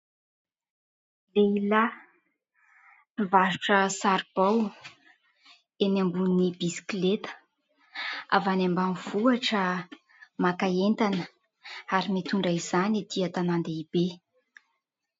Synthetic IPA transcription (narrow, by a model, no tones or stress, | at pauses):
leila | ivasu̥ʈ͡ʂəsaɾib̥aw | emambunibisi̥kilet̪ə̥ | a̰vanambamivuaʈ͡ʂə | makaent̪anə | aɾimet̪uɳɖ͡ʐaiz̥anid̪̥iat̪anand̪eib̥e